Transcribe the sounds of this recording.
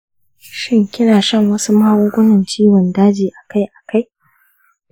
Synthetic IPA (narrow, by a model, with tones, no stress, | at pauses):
ʃɪ˦ŋkʲɪ˦naː˨ʃɐ˦˨ŋwɐ˦su˦maː˦wʊː˦kʷʼʊ˦nɐ˨nt͡ʃiː˦wɔ˨ndaː˦d͡ʒiː˨ʔa˨ka˦jʔa˨ka˦j